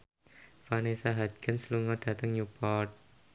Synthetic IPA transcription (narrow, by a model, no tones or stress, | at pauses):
fanesaɦad̪ɡ̥ansluŋɔɖ̥a̤t̪əŋjupɔt̪̚